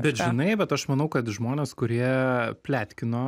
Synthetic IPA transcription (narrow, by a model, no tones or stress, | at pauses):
bʲɛt̪ʒɪnɐɪbʲɛt̪ɐʃmɐnɐʊkɐt̪ʒmoːnʲeːskʊɾʲiɛpʲlʲæːt̪ʲkʲɪnoː